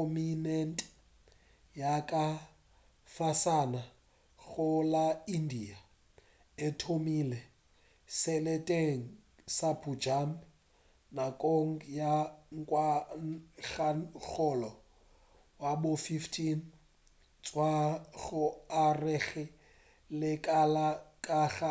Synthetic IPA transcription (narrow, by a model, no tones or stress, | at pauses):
ɔminɛntʼ | jakʼa | fasana | ɣʊlaindia | ɪtʰomilɛ | sɛlɛtʼeŋ̩ | sapʰud͡ʒam | nakʼoŋ̩jaŋ̩kʼwa | ɣaɣɔlɔ | wabʊfiftʰʼin | t͡sʼwaɣʊarɛɣɪ | lɪkʼalakʼaɣa